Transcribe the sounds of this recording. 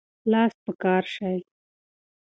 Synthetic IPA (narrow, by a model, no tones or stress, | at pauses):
lɑːs̚pəkɑːɾʃaj